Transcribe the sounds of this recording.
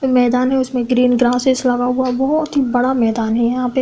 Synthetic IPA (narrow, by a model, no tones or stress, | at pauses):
mɛːd̪aːnɦɛʊsmẽɡɾiːnɡɾaːsɪslɐɡaɦuabɔɦɔt̪ɦibɐɽamɛːd̪aːnɦɛjɐɦãːpe